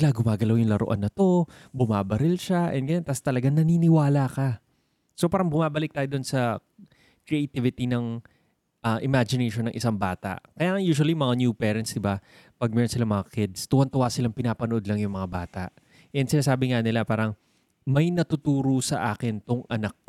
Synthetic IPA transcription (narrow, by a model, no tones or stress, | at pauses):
laɡʊmaːɡɐlawjʊŋlɐɾo̰ʔɐ̰nːɐt̪o̞bʊmaːbɐɾɪlʃaʔɛ̰nd̪ɡɐjont̪aːst̪ɐlɐɡaŋnɐniːnɪwaːlakɐ | sopaːɾɐŋbʊmaːbɐlɪk̚t̪aːjod̪o̞nsɐ | kɾɪʔejt̪ɪvɪt̪inɐŋ | ʔɐʔɪmad͡ʒɪnejʃonːɐŋʔɪsaŋbaːt̪a̰ʔkɐjaːŋɐŋjuːʃ̬wɐlimɐŋanjupɛːɾɐnt̪sd̪ɪba | pɐɡ̚mɛːɾonsɪlamɐŋakɪd̪st̪uwɐnt̪ʊwasɪlaŋpɪnaːpɐnoʔo̞d̪lɐŋjʊŋmɐŋabaːt̪a̰ʔ | ʔɛnd̪sɪnaːsaːbɪŋanɪlapaːɾɐŋ | mɐjnɐt̪ʊt̪uːɾosɐʔaːkɪnt̪oŋʔɐnɐk̚